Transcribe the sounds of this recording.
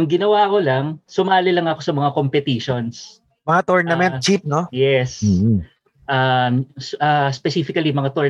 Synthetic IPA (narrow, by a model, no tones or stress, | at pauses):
ʊŋɡɪnɐwako̞lɐŋsʊmaːlɪlɐŋɐko̞sɐmɐŋakompɛt̪iːʃo̞ns | mɐŋat̪oɹnɐmɛn̚t͡ʃip̚nojɛs | ʔamsʔɐspɛsiːfɪkɐlimɐŋat̪oɹ